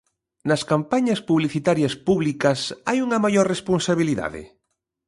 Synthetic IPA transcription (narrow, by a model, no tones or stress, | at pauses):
nɐskampaɲɐspuβliθit̪aɾjɐspuβlikɐsajuŋɐmajoɾresponsaβiliða̰ðɪ̰